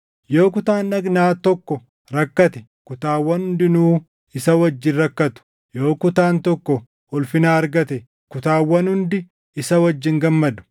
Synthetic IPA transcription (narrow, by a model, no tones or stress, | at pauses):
jo̞ːkʊt̪aːnːɐɡnaːt̪ɔkːɔ | ɾɐkːɐt̪ɛ | kʊt̪aːwːɐnhʊnd̪ɪnuː | ɪsɐwɐd͡ʒːɪnɾɐkːɐt̪ʊ̥ | jo̞ːkʊt̪aːnt̪ɔkːɔ | ɔlfɪnaːɐɾɡɐt̪ɛ | kʊt̪aːwːɐnhʊnd̪ɪ | ɪsɐwɐd͡ʒːɪŋɡɐmːɐd̪ʊ̥